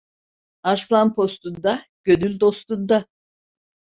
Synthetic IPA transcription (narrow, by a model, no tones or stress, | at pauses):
aɾslˠanpʰo̞st̪und̪aɟ̥ød̪ylʲd̪o̞st̪und̪a